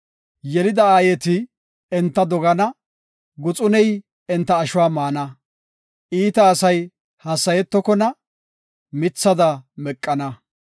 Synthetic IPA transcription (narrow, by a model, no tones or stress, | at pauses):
jɛlɪd̪ɐaːjɛt̪ɪ | ɛnt̪ːɐd̪ɔɡɐnɐ | ɡʊt͡sʼʊnɛj | ɛnt̪ːɐːʃʊwaːmaːnɐ | ʔiːt̪ɐːsɐj | hɐsːɐjɛt̪ːɔkɔnɐ | mɪt͡sːɐd̪ɐmɛkʼːɐnɐ